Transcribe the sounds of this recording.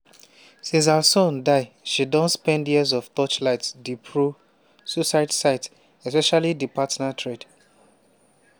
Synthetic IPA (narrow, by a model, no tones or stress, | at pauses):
sĩns̬asɔ̃ndaɪ | ʃidɔ̃nspɛ̃ndjizɔft̪ɔt͡ʃlaɪtsdipʰɹo | susaɪtsaɪt | ɛspɛʃalidipatnatʰɹed